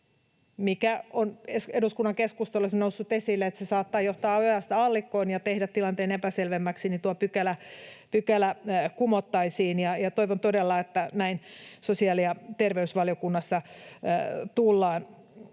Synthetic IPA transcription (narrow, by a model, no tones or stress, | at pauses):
mikæoneseduskunːɑŋkeskust̪olːesnousːut̪esilːeet̪sesɑːt̪ːɑːjoht̪ɑːojɑst̪ɑlːikːˑoinjɑt̪ehdæt̪t̪ilɑnt̪eːnepæselʋemːæksinit̪uopykælæpykælækumot̪ːɑisiːnjɑjɑt̪oiʋont̪odelːɑet̪ːænæinsosiɑliɑt̪erʋeysʋɑljokunːɑsːɑ | t̪ulːɑːn